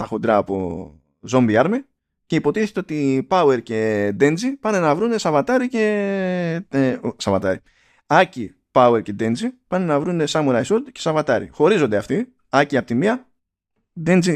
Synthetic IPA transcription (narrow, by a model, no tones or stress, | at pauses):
t̪ɐxod̪ɾɐːpo̰ | zo̞mbiɐɾmi | ce̞ipo̞t̪iθet̪eo̞t̪ipɐue̞ɾce̞d̪e̞nd͡zipɐne̞nɐvɾune̞sɐvɐt̪ɐɾice̞ | sɐvɐt̪ɐɾi | ɐci | pɐwe̞ɾce̞d̪e̞nd͡zipɐnenɐvɾune̞sɐmuɾɐjsod̪cesɐvɐt̪ɐɾḭxo̞ɾizo̞nd̪eɐft̪i | ɐciɐpot̪imiɐ | d̪end͡zi